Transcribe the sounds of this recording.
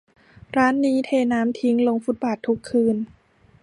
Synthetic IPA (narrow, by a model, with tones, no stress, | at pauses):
ɾaː˦˥nːiː˦˥t̪ʰeː˧naː˦˥mt̪ʰi˦˥ŋlo˧ŋfu˦˥t̪̚baː˨˩t̪ʰːu˦˥kʰːɯː˧n